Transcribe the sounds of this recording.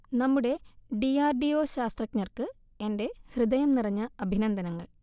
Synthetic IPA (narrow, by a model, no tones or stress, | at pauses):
nɐmːuɽe̞ɖiaːrɖioːɕaːst̪rɐkɲɐrkɨ | e̞nde̞hrɨd̪ɐjɐmnirɐɲːɐɐbʱinɐnd̪ʱɐnɐŋːɐ̰ɭ